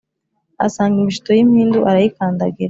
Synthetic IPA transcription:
a̰saːŋɡimiʃu̥to̞jim̥hiːnduʔaɾajikaːndaɡiɾa

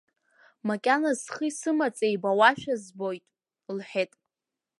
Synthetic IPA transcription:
makʲʼanazχisɨmat͡sʼejbawaʃᶣazbo̞jtʼ | lħᶣetʼ

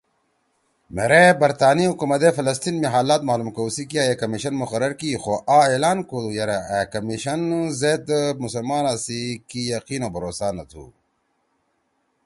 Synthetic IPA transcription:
meɾebɐɾt̪aːniɦukumɐd̪efɐlɐs̬t̪iːnmiɦaːlaːt̪maːlumkɐwusikiaːjekɐmiɕɐnmuxɐɾɐɾkixoʔaːeːlaːnkolujɐɾakɐmiɕɐnzeːd̪musɐlmaːnaːsikijɐqiːnoːbɐɾoːsaːnɐt̪ʰṵ

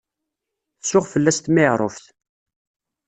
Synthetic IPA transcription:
θsʊʁfəlːæst̪mɪʕɾˤofθ

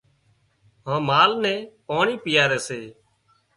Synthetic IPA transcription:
ɦãːmaːlnɛ̃ːpaːɳiːpɪjaːɾɛːseː

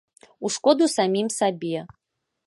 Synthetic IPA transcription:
uʂkɔd̪usamʲimsabʲiɛ

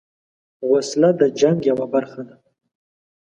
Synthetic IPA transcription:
ɣʊslad̪əd͡ʒaŋɡjawabaɾxad̪a

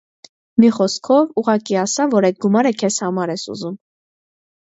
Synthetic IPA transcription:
miχɔskʰɔvuʁɑkiɑsɑvɔɾɛjd̪̚ɡumɑɾəkʰɛzhɑmɑɾɛsṵzum

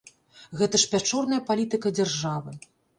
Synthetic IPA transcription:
ɣɛt̪ɐʂpʲat͡ʂɔrnɐjɐpalʲit̪ɨkɐd͡zʲarʐavɨ

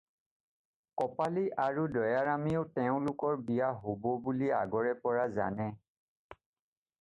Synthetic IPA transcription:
kɔpaliʔaɹudɔjaɹamiʊtɛʊ̃lʊkɔɹbijaɦobɔbulia̰ɡɔɹɛpɔɹaza̰nɛ

